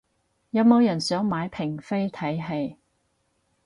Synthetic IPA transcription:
jɐ˨˧mo˨˧wjɐ˨˩nsœː˨˥ŋmaː˨˥jpʰɪ˨˩ŋfe˥jt̪ʰɐ˨˥jɦe˧j

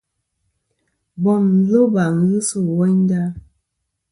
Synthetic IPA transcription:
bɔ˨nn̩˨˦zo˦ba˨ŋ˨ɣɨ˦so˦˨wɔ˦ɲ˦da˦

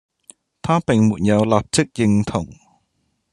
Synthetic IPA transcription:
t̪ʰaː˥pɛ˨˩ŋmṵ˨˩n̚jɐ˧wlaː˨˩p̚t͡ɕʰɨ˦˥k̚jɪ˧ŋt̪ʰʊ˨˩ŋ

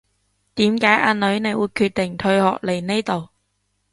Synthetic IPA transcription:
t̪iː˨˥mkaː˨˥jʔaː˧nɵ˨˥ɥne˨˧jwuː˨˧jkʰyː˧t̚t̪ɪ˨˩ŋt̪ʰɵ˧ɥhɔ̰ː˨k̚le˨˩jne˥t̪o˨w

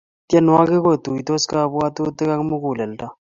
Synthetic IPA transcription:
tɛ˦n˨a˦kɪ˦ko˦t̪u˨i˨t̪o˦ska˦pu˦a˦t̪u˦t̪ɛ˦ka˦kmu˦ku˨lɛ˨l̩˨ta˦

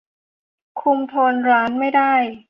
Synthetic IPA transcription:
kʰu˧mt̪ʰo˧nɾaː˦˥nma˥˩jdaː˥˩j

